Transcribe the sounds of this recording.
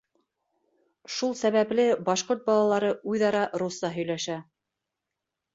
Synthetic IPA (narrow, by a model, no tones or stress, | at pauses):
ʃulˠsæβæplɘbɑʃqoɾt̪̚bɑlˠɑlˠɑɾɤʔujðɑɾɑʔɾusːɑɦɵ̆jlæʃæ